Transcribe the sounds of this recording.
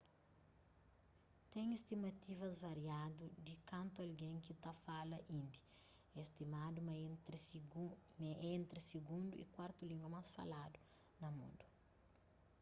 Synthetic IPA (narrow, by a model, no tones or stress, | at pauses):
t̪ɛ̃ŋist̪imɐt̪ivɐzvɐɾiad̪ud̪ikɐ̃nt̪uɐlɡẽŋkit̪afalɐʔĩnd̪i̥ | est̪imad̪um | ẽnt̪ɾisiɡũnd̪uḭkwaɾt̪ulĩŋɡɐmasfa̰lad̪u | nɐmṵ̃nd̪u